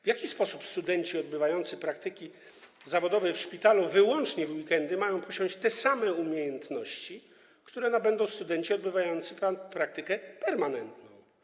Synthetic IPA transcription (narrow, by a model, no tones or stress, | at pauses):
vjakʲispɔsupst̪ud̪ɛɲt͡ɕiɔd̪bɘvajɔnt̪sɘpɾakt̪ɘkʲi | zavɔd̪ɔvɛfʂpʲit̪aluvɘwɔnt͡ʂɲɛvwikɛnd̪ɘmajɔ̃w̃pɔɕɔ̃w̃t͡ɕt̪ɛsamɛumʲjejɛnt̪nɔɕt͡ɕi | kt̪uɾɛnabɛnd̪ɔ̃w̃st̪ud̪ɛnt͡ɕiɔd̪bɘvajɔnt̪sɘpapɾak̚t̪ɘkɛpɛɾmanɛnt̪nɔ̃w̃